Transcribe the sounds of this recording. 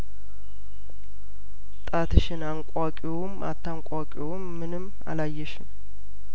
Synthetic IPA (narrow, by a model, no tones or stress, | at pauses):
t̪ʼat̪ʰɨʃɪnaŋkʼakʼioma̰t̪ʰːaŋkʷʼakʼjwomːɨnɨm | a̰lajːɛʃɪm